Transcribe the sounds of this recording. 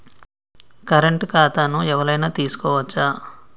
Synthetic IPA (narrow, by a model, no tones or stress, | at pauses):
kɐɾeɳʈkaːt̪aːnuɛʋɐɾɐjnaːt̪iːsu̥kɔːʋɐt͡ʃːaː